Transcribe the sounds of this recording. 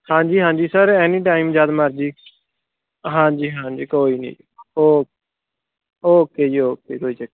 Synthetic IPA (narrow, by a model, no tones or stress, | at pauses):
hãːd͡ʒiːɦãːd͡ʒiːsəɾɛːniːʈaːimd͡ʒjaːd̪məɾd͡ʒiː | ɦãːd͡ʒiːɦãːd͡ʒiːkoːiːnḭː | oː | oːkeːd͡ʒioːkeːkoːiːd͡ʒəkː